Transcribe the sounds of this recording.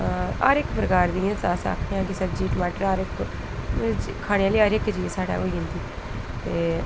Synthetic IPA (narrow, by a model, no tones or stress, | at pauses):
a̰ːɾɪkpɾəkaːɾd̪iːãːsaːsa̰ːkʰeãːkɪsəbd͡ʒiːʈəmaːʈəɾaːɾɪk | kʰaːɽeãliːaːɾɪkd͡ʒiːsaːɽa̰ːɦoːiːɦʊ̃nd̪iːt̪eː